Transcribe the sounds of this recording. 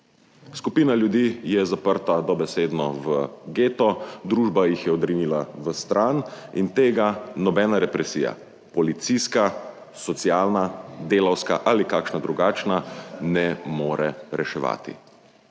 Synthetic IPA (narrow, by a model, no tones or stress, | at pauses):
skupiːnaljud̪ijɛzapəɾt̪ad̪ɔbɛseːd̪nɔʋəɡeːt̪ɔd̪ɾuːʒbajixjɛɔd̪ɾinilaʋəst̪ɾanint̪eːɡanɔbɛːnaɾɛpɾɛsiːja̰ | pɔlit̪siska | sɔt̪siaːlnad̪eːlawska̰ʔaːlikaːkʃnad̪ɾuɡaːt͡ʃnanɛmoːɾɛɾɛʃɛʋa̰ːt̪ḭ